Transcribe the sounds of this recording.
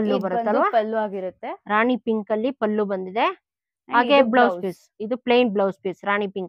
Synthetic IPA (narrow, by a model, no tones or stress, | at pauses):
ɐlːubɐɾut̪ːɐlʋaːlːaːɡiɾut̪ːeɾaːɳipiŋkɐlːipɐlːubɐnd̪id̪e̞ | ɦaːɡeblɐwspeːs | id̪upleːnblɐwspesɾaːɳipiŋk